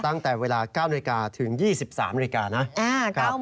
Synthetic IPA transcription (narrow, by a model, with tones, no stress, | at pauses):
t̪a˥˩ŋt̪ɛː˨˩weː˧laː˧kaː˥˩wna˧i˧kaː˧t̪ʰɯ˩˦ŋjiː˥˩si˨˩p̚sa̰ː˩˦mːna˧i˧˥kaː˧na˦˥ʔaː˧kʰa˥˩